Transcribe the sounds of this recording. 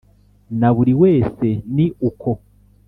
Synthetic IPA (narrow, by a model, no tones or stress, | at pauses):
naβuɾiwe̞ːse̞niʔukʰo̞